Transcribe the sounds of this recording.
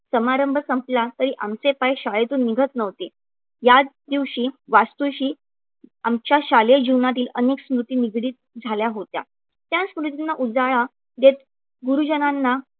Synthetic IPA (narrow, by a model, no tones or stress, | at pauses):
səmaɾəmbʱəsəmplat̪əɾiːʔamt͡sepajɕaɭet̪uːnːiɡʱət̪nəʋt̪e | jad̪iʋɕiːʋast̪uɕiː | amt͡ɕjaɕaljəd͡ʑiʋnat̪̬iːləneksmɾut̪iːniɡɽiːt̪̚ | d͡zʱaljaɦot̪ja̰ | t̪jãsmɾut̪inːaʔud͡zaɭa | d̪et̪ | ɡuɾud͡ʑənanːa